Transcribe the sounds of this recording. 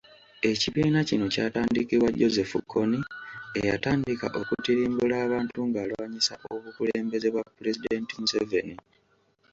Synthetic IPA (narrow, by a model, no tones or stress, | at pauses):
e̞ciβiːnacino̞caːtaːndikiβwaɟo̞ze̞fṵkʰːo̞nie̞jataːndika̰ʔo̞kutiɾiːmbulaːβaːntuŋɡaːlwaaɲisaʔo̞βukuleːmbe̞ze̞βwapːule̞sid̪e̞ntimuseve̞ni